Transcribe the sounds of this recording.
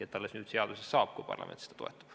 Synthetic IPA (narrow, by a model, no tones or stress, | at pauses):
et̪t̪ːæolesnyːt̪seɑd̪usesːɑukkupɑ̰rlɑ̰mḛnt̪i̥st̪ɑ̥t̪oet̪ːu̥